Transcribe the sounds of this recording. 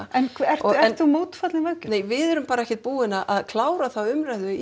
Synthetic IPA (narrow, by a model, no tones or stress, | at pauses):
ɛnkʰɛ̥ɔɛɛ̥nθumoːwt̪fat̪lɪvœlcʏ̥neːjvɪðɛɾʏmpaːɾaɛhçcɪ̥t̪̚puːɪnaʔaðkʰlaːwɾaθawʏmɾajðʏ